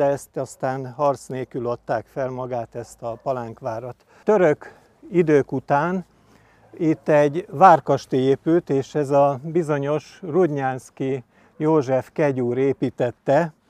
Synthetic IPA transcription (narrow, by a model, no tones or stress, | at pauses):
ɛɛst̪ɒst̪aːnhɒrt̪sneːkylɒt̪ːaːkfɛlmɒɡaːt̪ɛst̪ɒpɒlaŋkʋaːɾot̪ | t̪øɾøk | id̪øːkut̪aːn | it̪ːɛɟʋaːrkɒʃt̪ieːpylt̪eːʃɛzɒbizo̞ɲo̞ʃrud̪ɲaːnski | joːʒɛfkɛɟuːɾeːpiːt̪ɛt̪ːɛ